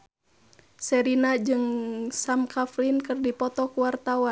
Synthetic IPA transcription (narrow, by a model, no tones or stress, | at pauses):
sɛɾinad͡ʒɨŋsamkʰaflinkɨrdipɔt̪ɔkuwart̪awan